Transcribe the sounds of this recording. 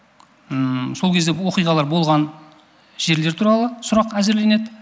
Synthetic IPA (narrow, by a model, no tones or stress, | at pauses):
əso̞lˠkʲʰezd̪ewo̞qijʁɑlˠɑɾbo̞lˠʁɑn | ʒ̥e̞ɾle̞ɾt̪ʰuɾɑlˠəsʊɾɑqæzeɾle̞ne̞d̪ɪ